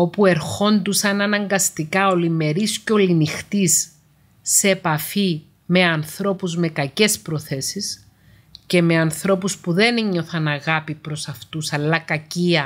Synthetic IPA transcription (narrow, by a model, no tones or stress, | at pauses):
o̞pue̞ɾxo̞nd̪usɐnɐnɐŋɡɐst̪ikɐo̞lime̞ɾisceo̞linixt̪isː | epɐfi | me̞ɐnθɾo̞puzme̞kɐce̞spɾo̞θe̞sis | ce̞me̞ɐnθɾo̞puspuðe̞neɲːo̞θɐnɐɣɐpipɾo̞sɐft̪usɐlːɐkɐciɐ